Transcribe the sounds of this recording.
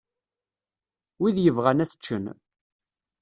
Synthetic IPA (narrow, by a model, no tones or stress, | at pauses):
wiðjəvʁænæθə̥t͡ʃːən